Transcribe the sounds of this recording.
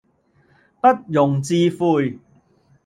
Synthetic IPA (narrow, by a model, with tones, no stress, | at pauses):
pɐ˥t̚jʊ˨˩ŋt͡siː˧fuː˧j